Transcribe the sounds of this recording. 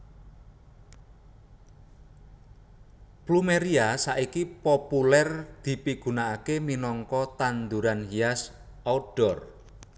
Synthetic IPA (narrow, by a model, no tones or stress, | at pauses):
plumeɾiasaʔikipopulɛrd̪̥i̤piɡ̥ṳnaːkeminɔŋkɔt̪and̪uɾanhias | ɔɖ̥ɔr